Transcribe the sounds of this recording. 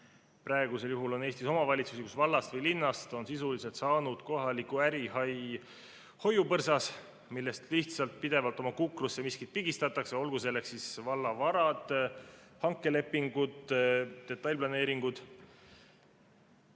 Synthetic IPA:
pɾɑe̞ɡ̥use̞ljuɦulo̞ne̞ːst̪iso̞mɑvɑlʲit̪susikusvɑlːɑst̪vɤjlinːɑst̪o̞nsisulise̞lt̪sɑːnud̪̥ko̞ɦɑlikːˑuæɾiɦɑj | ho̞jupɤrsɑs | milːe̞st̪liht̪sɑlt̪̚pid̪̥e̞vɑlt̪ːˑo̞mɑkukrusːe̞miskit̪̚piɡ̥ist̪ɑt̪ːɑkseo̞lɡus̬e̞lːe̞ksːisvɑlːɑvɑɾɑd̪̥ | hɑŋkːˑe̞le̞pːiŋɡ̥ud̪d̪̥e̞t̪ːˑɑjlʲplɑne̞ːɾiŋɡ̥ud̪̥

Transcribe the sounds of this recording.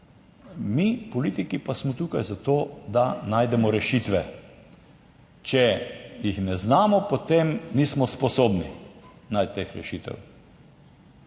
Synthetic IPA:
mipɔliːt̪ikipasmɔt̪uːkajzat̪oːd̪anaːjd̪ɛmɔɾɛʃiːt̪ʋɛ | t͡ʃɛjixnɛznaːmɔpot̪emniːsmɔspɔsoːbninajt̪̚t̪ːexɾɛ̰ʃit̪ɛ̰w

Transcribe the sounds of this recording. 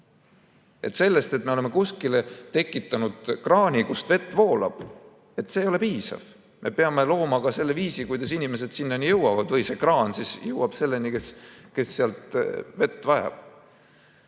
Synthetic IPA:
ʔe̞̰t̪ːse̞lːe̞st̪e̞t̪̚ːˑme̞oleme̞kuskile̞t̪e̞kːˑit̪ːˑɑnud̪̥krɑːnʲikust̪ve̞t̪ːˑvo̞ːlɑ̰b̥ | e̞t̪ːˑse̞ːjo̞le̞piːsɑ̰v̥ | mʔe̞̰peɑmelo̞ːmɑkɑse̞lːe̞viːsikujd̪ɑsinime̞se̞d̪̥sinːɑnijɤwɑvɑd̪vɤjse̞krɑːnsisjɤwɑb̥se̞lːe̞nike̞ske̞sːeɑlt̪ve̞t̪ːˑvɑjɑ̰b̥

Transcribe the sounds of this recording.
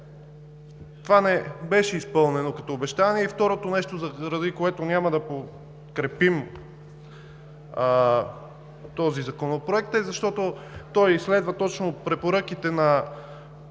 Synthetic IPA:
t̪ovanɛbɛʃɛispɤlˠnɛnokɐt̪oːbɛʃt̪aniɛift̪ɔɾot̪onɛʃt̪ozɐɾɐzikoɛt̪onʲamɐd̪ɐpo | kɾɛpim | t̪ɔzizɐkonopɾoɛk̚t̪ɛzɐʃt̪ɔt̪ot̪ɔjislɛd̪vɐt̪ɔt͡ʃnopɾɛpoɾɤk̟it̪ɛnɐ

